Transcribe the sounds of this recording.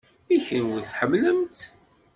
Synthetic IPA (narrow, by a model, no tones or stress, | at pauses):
içənwiθħəmːləmt̪